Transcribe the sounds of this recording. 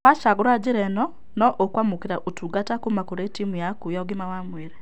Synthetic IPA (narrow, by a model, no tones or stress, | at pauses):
aʃaɡuɾad͡ʒiɾɛnɔ | nɔʔokwamukeɾaʔotuɡatakumakuɾetimujakujaɡimawamweɾɛ